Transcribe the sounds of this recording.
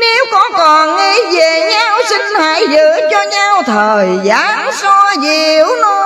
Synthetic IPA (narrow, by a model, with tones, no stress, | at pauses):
ne˨˦wkɔ˨˦kɔ˨˩nŋi˧ve˨˩ɲa˧wsi˧ŋ̟ha̰ː˧˨˦jzɨ˧˨˥t͡ɕɔ˧ɲa˧wt̪ʰəː˨˩jzaː˨˦ŋsɔ˧zi˧˨əwno˧